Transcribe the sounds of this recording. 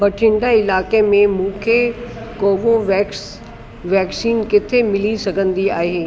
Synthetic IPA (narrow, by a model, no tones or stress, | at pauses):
bɐʈʰɪ̃ɳɖaɪlaːkemẽmũːkʰekoːʋoʋɛːs | ʋɛːksiːnkɪt̪ʰemɪlisɐɡʱə̃nd̪iaːɦeː